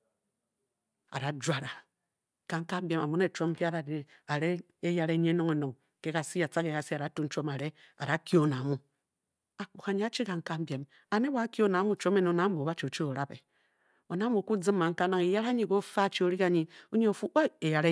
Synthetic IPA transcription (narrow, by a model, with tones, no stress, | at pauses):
a̰˨ɾa˨˦d͡ʒʷa˨ɾa˨ | ka˨ŋ̩˦ka˦m˦be˦ma˨mu˦n˦e˨t͡ʃo˦m˦pi˦a˦ɾa˨de˨a˨ɾe˦ | e˦ja˦ɾe˦ɲe˦no˦ŋe˨no˨ŋ | ke˦ka˨si˦a˨t͡sa˦ke˨ja˨si˦a˨ɾa˨˦tu˦n̩˦t͡ʃo˦ma˨ɾe˦a̰˨da˨ki˦o˦na˨mu˦ | a˨k͡pu˨xa˨ɲi˦a˦t͡ʃi˦ka˨ŋ̩˦ka˦m˦be˨m | a˨ne˦wa˦ki˦o˦na˨˦mu˦˨t͡ʃo˦me˦no˨˦˨na˦mo˨ba˦t͡ʃi˨o˨t͡ʃi˦o˨ɾa˦bḛ˨ | o˨na˨˦mu˨ku˦d͡zi˦mːa˨ŋ̩˦ka˦na˦ŋe˨ja˦ɾa˦ɲi˦ɡo˦fa˦˨t͡ʃi˦o˦ɾi˦ka˦ɲi˦o˦ɲe˦o˨fu˦a˦e˨ja˨ɾe˦